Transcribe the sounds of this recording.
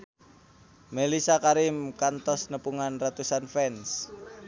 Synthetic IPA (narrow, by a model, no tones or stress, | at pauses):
melisakaɾimkant̪ɔsnəpuŋanrat̪usanfɛns